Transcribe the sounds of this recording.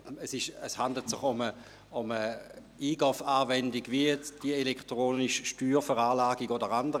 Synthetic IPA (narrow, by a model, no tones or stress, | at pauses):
əsɪʃəshandl̩tsɪχʊmə | ʊmə | iːɡ̥ɔfaːvɛndiɡviəjɛt͡sd̥iəelɛktʁoːniʃʃtyːʁfəʁaːlaːɡiɡodəʁandə